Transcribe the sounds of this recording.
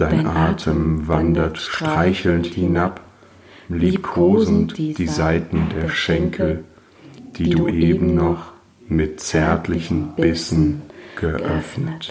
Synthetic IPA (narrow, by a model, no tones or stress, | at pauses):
d̥aɪnʔaːtʰəmvandɐtʃtʁ̥aɪçl̩nthɪnap | liːkʰoːznʊtd̥iːzaɪtn̩deːɐʃɛŋkʰl̩ | d̥iːduːʔeːbm̩nɔχ | mɪt̚t͡sɛɐtʰlɪçn̩b̥ɪsn̩ɡ̥əʔœfnət